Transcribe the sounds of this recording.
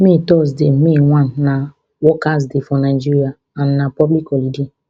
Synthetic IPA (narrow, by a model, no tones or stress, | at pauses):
mitɔs̬demiŋʷan̩ːa | wɔkas̬dɪfɔnaɪd͡ʒiɾja | an̩ːapɔblikɔlidi